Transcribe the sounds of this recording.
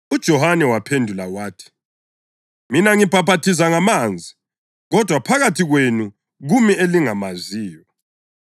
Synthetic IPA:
ud̥ʒ̥ʱɔhanɛwapʰendʱulawaːtʰi̥ | minaŋib̥ʱapatʰizaŋamand͡zʱi | ɣɔd̥ʱwapʰaɣatʰiɣwenu | ɣumieliŋamaziːjɔ

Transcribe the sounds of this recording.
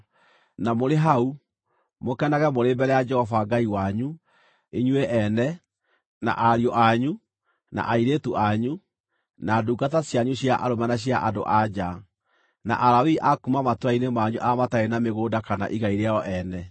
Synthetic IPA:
namoɾeɦau | mokɛnaɣɛmoɾeːmbɛɾɛjad͡ʒɛhɔfaɡaiwaɲu | eɲweʔɛnɛ | na̰ʔaɾiɔʔaɲu | na̰ʔaiɾetuʔaɲu | naːduːɡatasjaɲuɕaʔa̰ɾomɛnaɕ̬jaʔado̰ʔad͡ʑa | na̰ʔaɾawiʔakumamatwainemaɲuʔamataenameɣoːdakana̰ʔiɣaiɾeaɔʔɛnɛ

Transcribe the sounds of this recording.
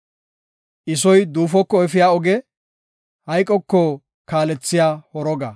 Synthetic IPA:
ʔɪs̬ɔjd̪uːfɔkːɔɛfɪjaːɔɡɛ | hɐjkʼːɔkːɔ | kaːlɛt͡sːɪjaːhɔɾɔɡɐ

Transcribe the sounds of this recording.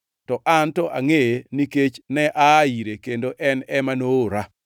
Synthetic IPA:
tɔʔantɔʔaŋeniket͡ʃnɛʔaiɾekendoʔɛnɛmanoɾa

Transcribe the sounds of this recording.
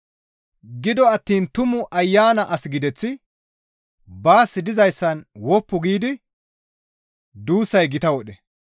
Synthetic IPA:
ɡɪd̪ɔɐt̪ːiːnt̪ʊmʊʔɐjːaːnɐʔɐsɪɡɪd̪ɛt͡sːɪ | baːsːɪd̪ɪzɐjsːɐnwɔpːʊɡiːd̪ɪ | d̪uːsːɐjɡɪt̪ɐwɔɗɛ

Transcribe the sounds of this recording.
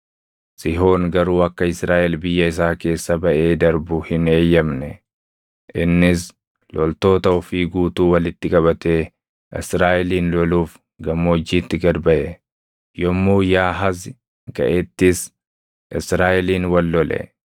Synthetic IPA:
sɪɦo̞ːŋɡɐɾuːɐkːɐɪsɾaːʔɛlbɪjːɐɪs̬aːke̞ːsːɐbɐʔe̞ːd̪ɐɾbʊhɪne̞ːjːɐmnɛ | ʔɪnːɪs | lɔlt̪o̞ːt̪ɐɔfiːɡuːt̪uːwɐlɪt̪ːɪkʼɐβɐt̪e̞ː | ʔɪsɾaːʔɛliːnlɔluːf | ɡɐmːoːd͡ʒːiːt̪ːɪɡɐd̪bɐʔɛ | jɔmːuːjaːɦɐzɪ | kɐ̰ʔɛt̪ːɪs | ʔɪsɾaːʔɛliːnwɐlːɔlɛ̰

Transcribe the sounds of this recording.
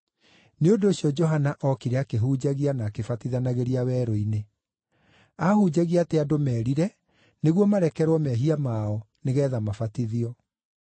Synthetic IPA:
neondoːɕiɔd͡ʒɔɦanaʔɔkiɾɛakeɦuːd͡ʑaɣianaːkefatiðanaɣeɾiawɛːɾɔine | ahud͡ʑaɣiateadomɛːɾiɾɛ | neɣwɔmaɾɛkɛɾwɔmɛɦiamaɔ | neɣɛːðamafatiðiɔ

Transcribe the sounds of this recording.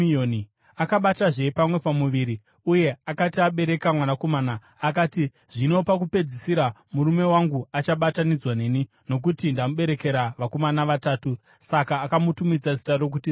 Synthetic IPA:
oni | akaɓataʐe̞pamwe̞pamuʋiɾi | uje̞akatiaɓe̞ɾe̞kamwanako̞maːnaː | kaːti | ʐ̥ino̞pak̬upe̞d͡zisiɾamuɾume̞waŋɡuat͡ʃaɓatanid͡zwane̞ːni | no̞k̬utindamuɓe̞ɾe̞ke̞ɾaʋako̞manaʋataːtu | sakaːkamutumid͡zazitarok̬uti

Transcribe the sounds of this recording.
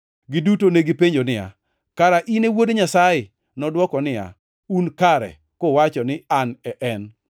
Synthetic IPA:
ɡɪdutoneɡɪpeɲd͡ʒonɪja̰ | kaɾaʔinewodɲasajɪ | nɔdwɔkɔnɪja̰ | unkaɾɛ̰ | kowat͡ʃɔnɪanɛʔɛn

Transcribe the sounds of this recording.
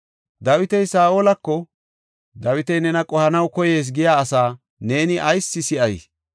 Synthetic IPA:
d̪ɐwɪt̪ɛjsaːolɐkːɔ | d̪ɐwɪt̪ɛjnɛnɐkʼɔhɐnɐwkɔje̞ːs̬ɡɪjaːsaː | ne̞ːnɪʔɐjsːɪsɪʔɐjs

